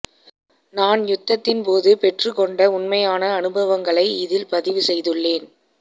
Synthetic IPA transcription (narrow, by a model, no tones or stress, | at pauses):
naːnjʊt̪ːɐt̪ːɪnpoːðɯpɛʈrɯkɔɳɖɐʊɳmɐjaːnɐːnɯbɐʋɐŋɡɐɭɐɪɪðɪlpɐðɪʋɯsɛjðɯɭːeːn